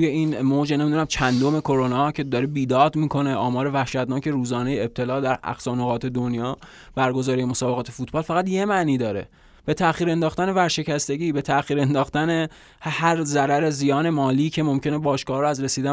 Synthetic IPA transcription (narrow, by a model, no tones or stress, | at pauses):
ujeiːnmoːd͡ʒene̞mid̪unæmt͡ʃʰænd̪ome̞kʰo̞ɾo̞nɒːcʰe̞d̪ɒɾebiːd̪ɒːd̪miːkʰo̞ne̞ʔɒːmɒːɾe̞væhʃæd̪nɒːcʰe̞ɾuːzɒːne̞jeeb̚t̪ʰe̞lɒːd̪æɾæ̰xsɒːnoɣɒːt̪ʰe̞d̪onjɒː | b̥æɾɡo̞zɒːɾijemosɒːbe̞ɣɒːt̪ʰe̞fuːt̪ʰbɒːlfæɣæt̪je̞mæʔniːd̪ɒːɾe̞̰ | b̥e̞t̪ʰæxiːɾe̞nd̪ɒːxt̪æne̞væɾʃe̞cæst̪e̞ɟiːbe̞t̪ʰæxiːɾend̪ɒːχt̪æne̞ | hæɾzæɾæɾe̞zijɒːne̞mɒːliːcʰe̞mo̞mcʰe̞nebɒːʃkɒːhɾoæzɾe̞siːd̪æ